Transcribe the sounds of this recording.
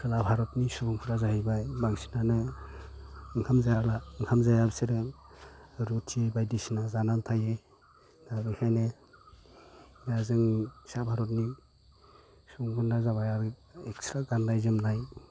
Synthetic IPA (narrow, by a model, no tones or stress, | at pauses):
kʰɯlabʱaɾɔtnisubuŋpʰuɾazahijbajbaŋsi̥nanɯ | ɯŋkʰamzaalaɯŋkʰamzajabsiɾɯ | ɾutʰːibajdisinazanaltʰaje | daɾɯhʰajne | baazɯŋsabʱaɾɔtni | subŋbʰunazaβajaɾekstɾaɡandajzɯmnaj